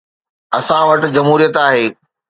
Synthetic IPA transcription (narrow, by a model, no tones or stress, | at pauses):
ɐsãʋɐʈɪ̆d͡ʑɐmɦuːɾijət̪aːɦeː